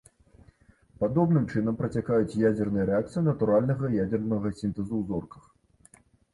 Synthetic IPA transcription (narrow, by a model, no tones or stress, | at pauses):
pad̪ɔbnɨmt͡ʂɨn̪ɐmpɾɐt͡sʲakajut͡sʲjad͡zʲɛrnɨjɐɾɛak̚t̪sɨjunɐt̪uɾalʲnɐɣɐjad͡zʲɛrnɐɣɐsʲint̪ɛzuwzɔrkɐ̥x